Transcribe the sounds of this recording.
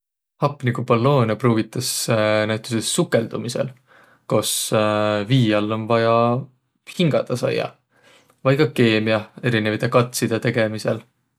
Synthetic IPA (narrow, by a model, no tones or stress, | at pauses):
hɑpːˑnikupɑlːo̞ːnɑpruːvit̪ːˑɑsnæwt̪ːˑusesːukːˑe̞ld̪̥umisḛl | ko̞s | viːjɑlːo̞nvɑjɑ | hiŋɡ̥ɑd̪̥ɑsɑ̰jɑ̰ | vɑjkɑke̞ːmiɑe̞ɾinevɑjt̪ːˑekɑt̪ˑsid̪̥et̪e̞ɡ̥e̞mise̞l